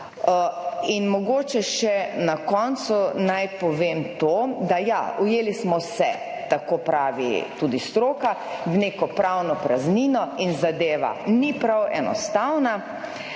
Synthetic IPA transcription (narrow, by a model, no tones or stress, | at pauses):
inmɔɡoːt͡ʃɛʃɛnakɔnt̪sunajpɔʋeːmt̪oːd̪aja̰ujeːlismɔsɛ | t̪akopɾaːʋḭt̪uːd̪ist̪ɾoːka | ʋneːkɔpɾawnɔpɾazninɔinzad̪eːʋa̰nipɾawɛ̰nɔ̰st̪awna